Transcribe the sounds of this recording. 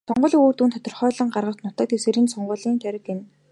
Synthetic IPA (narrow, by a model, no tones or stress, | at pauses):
sɔɴɢɞ̆ɮiːoːrt̪uːnt̪ʰɔt̪ɞ̆rχœːɮə̆ɴɢarʁə̆kt̪nʊt̪ə̆k̚t̪ewseɾiːnsɔɴɢʊ̆ːɮiːnt̪æɾɪ̆ken